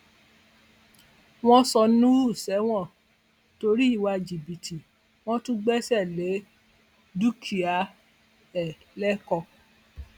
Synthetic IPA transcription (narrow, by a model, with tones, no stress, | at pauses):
w̃ɔ̃˦sɔ˧nũ˦u˦˨sɛ˨˦w̃ɔ̃˦˨ | to˧ɾi˦i˦˨wa˧d͡ʒi˨bi˨tʰi˨ | w̃ɔ̃˦tũ˦ɡ͡bɛ˦sɛ˦˨le˨˦ | du˦kʰi˨a˨˦ | ɛ˨ | lɛ˦kɔ˧